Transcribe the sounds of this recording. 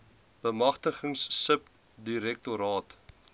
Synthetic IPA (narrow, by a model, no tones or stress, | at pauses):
b̥əmɐχtəχəŋsːəp | diɾɛk̚toɾɑːt